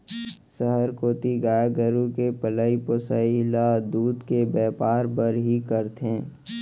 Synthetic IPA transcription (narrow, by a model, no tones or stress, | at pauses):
səɦəɾkoːt̪iɡaːjaɡəɾũkepəlaipoːsailad̪uːd̪kebɛːpaːɾpəɾɦikəɾt̪ẽː